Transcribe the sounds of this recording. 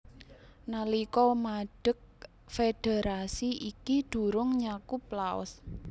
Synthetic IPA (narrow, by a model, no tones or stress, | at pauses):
nalikɔmaɖ̥ə̤k̚ | fed̥e̤ɾasiʔikid̪̥ṳɾʊŋɲakuplaɔ̰s